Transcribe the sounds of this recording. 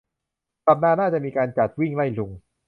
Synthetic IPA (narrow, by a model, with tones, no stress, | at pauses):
ka˨˩p̚naː˥˩naː˥˩t͡ɕa˨˩ʔmiː˧kaː˧nt͡ɕa˨˩t̪̚wi˥˩ŋla˥˩jlu˧ŋ